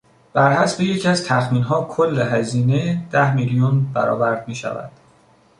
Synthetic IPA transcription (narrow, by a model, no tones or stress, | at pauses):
b̥æɾhæsbeje̞cʰæzt̪ʰæxmiːnɦɒːkʰolːeɦæziːned̪̥æhmilijunbæɾɒ̰ːvæɾd̪miːʃæ̰væ̰d̪̥